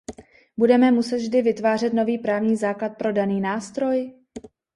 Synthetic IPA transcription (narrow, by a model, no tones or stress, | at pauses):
budɛmɛmusɛt̪vʒdɪvɪt̪vaːr̝ɛt̪no̞viːpɾaːvɲiːzaːklat̪̚pɾo̞daniːnaːst̪ɾo̞j